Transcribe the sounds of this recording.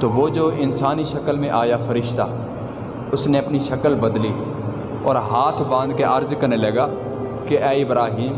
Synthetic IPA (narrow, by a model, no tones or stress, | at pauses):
t̪oːʋoːd͡ʒoːɪnsaːniʃɐkəlmẽʔaːjafɐɾɪʃt̪a̰ː | ʊsneɐpniʃɐkəlbɐd̪liː | ɔːɾɦaːt̪ʰbãːnd̪̚keʔɐɾzkɐɾnelɐɡaː | keʔɛːibɾaːɦiːm